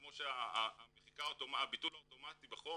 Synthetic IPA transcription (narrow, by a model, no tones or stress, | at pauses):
moʃeaaːmeχikaotomaabitulhaoto̞mat̪ibeχo